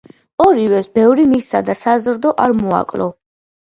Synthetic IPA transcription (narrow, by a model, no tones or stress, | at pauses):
ɔɾivɛsbɛvɾimisad̪asazɾd̪ɔʔaɾmua̰kʼlɔ̰